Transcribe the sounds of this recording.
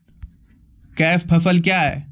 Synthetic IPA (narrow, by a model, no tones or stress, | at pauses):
kɛːspʰɐsəlkjaːɦɛ̰ː